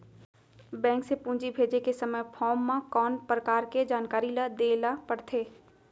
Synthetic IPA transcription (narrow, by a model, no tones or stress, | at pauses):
bɛ̃ːŋksepũːd͡ʒibʱeːd͡ʒekesɐməjpʰɔːmːãkɔːnpɾəkaːɾked͡ʒaːnkaːɾilad̪eːlapəɽt̪ʰeː